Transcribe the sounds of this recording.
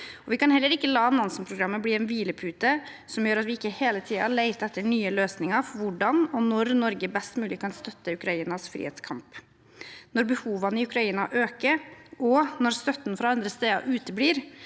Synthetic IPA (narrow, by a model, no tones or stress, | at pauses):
ɔʋɪkɑnhɛlːəɾɪkːəlɑːnɑnsnpʰɾʊɡɾɑmːəbliːɛnʋiːləpʰʉːt̪ə | sɔmjøːɾɑt̪ʋɪɪkːəheːlət̪ʰiːɑ̰leɪt̪ɛt̪ːəɳyːəløːsnɪŋəɾfɔɾʋʊɖɑnɔnɔɾnɔɾɡəbɛst̪mʉːlɪkʰɑnst̪œt̪ːəʉkɾɑiːnɑsfɾḭhḛːt̪skʰɑmp | nɔɾbəhuːʋɑnəɪʉkɾɑiːnɑʔøːkəɾɔnɔɾst̪œt̪ːn̩fɾɑɑnd̪ɾəst̪eːɑ̰ʔʉːt̪əbliːɾ